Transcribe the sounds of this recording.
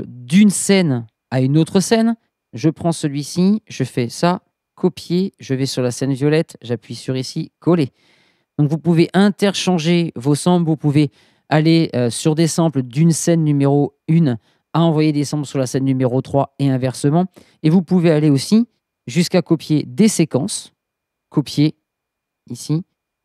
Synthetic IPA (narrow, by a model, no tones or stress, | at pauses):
d̪ynsɛn | aynot̪χəsɛn | ʒəpχɑ̃səlɥisiʒəfɛsa | kʰɔpjeʒəvɛsyʁlasɛnvjɔlɛt̪ʒapɥisyʁisikʰɔle | d̪̥ɔ̃kvupuveʔɛ̃t̪ɛʁʃɑ̃ʒevosɑ̃blvupuve | aleøsyʁd̪esɑ̃pld̪ynsɛnːymeʁo | yn | aɑ̃vwajed̪esɑ̃blsyʁlasɛnːymeʁot̪χwaeɛ̃vɛʁsəmɑ̃ | evupuvealeosi | ʒyskakɔpjed̪esekɑ̃s | kɔpje | isi